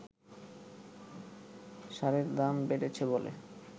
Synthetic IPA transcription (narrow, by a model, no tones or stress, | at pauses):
ʃaɾeɾd̪ambeɖet͡ɕʰebolḛ